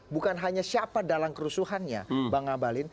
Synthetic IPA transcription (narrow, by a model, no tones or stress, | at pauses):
bukanɦaɲasiapadalamkəɾusuɦanɲa̰baŋabalɪn